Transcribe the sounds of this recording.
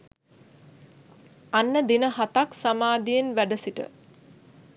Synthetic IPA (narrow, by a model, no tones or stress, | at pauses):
anːəd̪inəɦat̪aksamaːd̪ijenʋæɖəsiʈə̰